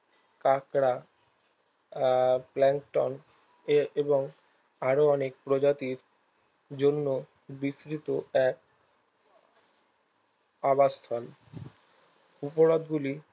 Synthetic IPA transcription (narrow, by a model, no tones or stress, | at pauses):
kakɾa | plɛŋkʈɔn | eeboŋ | aɾoɔnekpɾod͡ʑat̪iɾ | d͡ʑonːo | bisɾit̪oɛk̚ | abat̪ʰɔl | upoɾod̪ɡuli